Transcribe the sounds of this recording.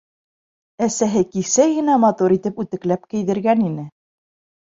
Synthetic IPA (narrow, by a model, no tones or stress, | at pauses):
æsæɦɘkisæjɘ̆næmɑt̪uɾit̪ɘpʉt̪ɘ̆klæp̚kɘ̆jðɘ̆ɾɡæninɘ